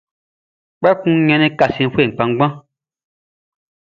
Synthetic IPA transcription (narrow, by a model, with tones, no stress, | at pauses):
k͡pɛ˦kũ˦ɲɛ̃˧nĩ˦ka˨sĩ˧˦fʷwe˦˨k͡pã˧ŋ˦ɡ͡bã˦